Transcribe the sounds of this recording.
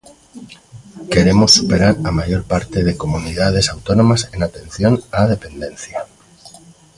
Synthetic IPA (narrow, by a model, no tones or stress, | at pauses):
ke̞ɾemosːupe̞ɾaɾamaʝo̞ɾpaɾt̪eðekomuniðað̞e̞sawt̪onõmasenat̪ẽ̞n̟θjo̞naðe̞pe̞nd̪ẽ̞nθja